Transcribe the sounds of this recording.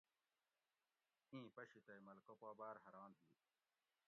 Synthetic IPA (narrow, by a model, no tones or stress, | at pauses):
ĩːpɐɕit̪ɐimɐlkopaːbaːɾɦɐɾaːnɦiː